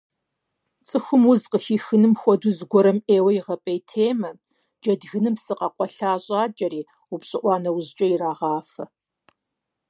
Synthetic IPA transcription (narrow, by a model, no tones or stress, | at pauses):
t͡sʼɨxʷʊmʊzqəxiːxɨnɨmxʷɔduzɡʷɔɾɐmeːwɐjiʁɐpʼɐjtʰeːmɐ | d͡ʒɐdɣɨnɨmsɨqɑqʷɔɬaːɕʼaːt͡ʃʼɐɾiː | ʊpɕʼɪʔʷɑːnɐwʊʑt͡ʃʼɐjiraːʁɑːfɐ